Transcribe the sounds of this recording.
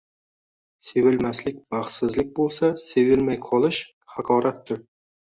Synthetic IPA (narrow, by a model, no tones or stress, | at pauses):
sevɪlmæslɪk̚ʲbɑχsəzlˠɪk̚ʲbolˠsɑsevɪlmæjqʰɒlˠəʃ | haqʰɒɾat̪ʰːʊɾ